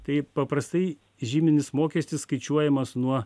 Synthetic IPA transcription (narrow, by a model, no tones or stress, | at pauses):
t̪ɐɪpɐpɾɐst̪ɐɪ | ʒʲiːmʲɪnʲɪsmoːkʲɛsʲt̪ʲɪsskɐɪt͡ʃʲuɔjɛmɐsnuɔ